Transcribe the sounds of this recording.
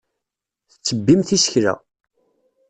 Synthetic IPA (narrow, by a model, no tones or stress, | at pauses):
θət͡sːəbːimθisə̥çɾæ̰